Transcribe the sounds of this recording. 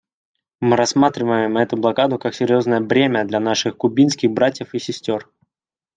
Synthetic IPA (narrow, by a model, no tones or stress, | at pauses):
mɨɾɐsːmat̪ɾʲɪvəjɪmɛt̪ʊblˠɐkad̪ʊkaksʲɪɾʲjo̞znəjəbɾʲemʲəd̪lʲɐnaʂɨxkʊbʲinskʲɪɣbɾatʲjəfisʲɪsʲtʲo̞r